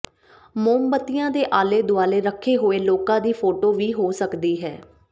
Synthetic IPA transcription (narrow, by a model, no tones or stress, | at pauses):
moːmbət̪ːɪjãːd̪eːʔaːleːd̪ʊaːleːɾəkʰːeːɦoːeːloːkãːd̪iːpʰoːʈoːʋiːɦoːsəkd̪iːɦɛː